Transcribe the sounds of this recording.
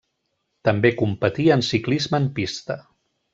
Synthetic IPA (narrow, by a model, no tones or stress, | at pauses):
t̪əmbekumpət̪iənsiklizməːmpist̪ə